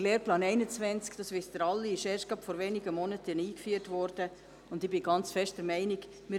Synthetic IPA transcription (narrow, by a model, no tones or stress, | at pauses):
leːɾplɑːnɛɪnət͡svɛnt͡skd̥ɑːsʋɪsd̥əɾɑlːiɪʃeːɾʃt̚ɡ̥ɑpfɔɾʋɛniɡəmɔnətʰəniːkfyːəɾtvɔɾd̥ə | ʊndɪbɪɡ̥ɑnt͡sfɛʃtd̥əɾmɛɪniɡ | mɪ